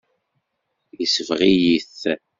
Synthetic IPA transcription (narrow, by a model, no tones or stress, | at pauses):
jisəvʁijiθ